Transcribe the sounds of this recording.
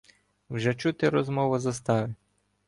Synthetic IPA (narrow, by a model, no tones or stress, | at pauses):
wʒɛt͡ʃut̪ɪɾɔzmɔʋʊzɐst̪ɑʋɪ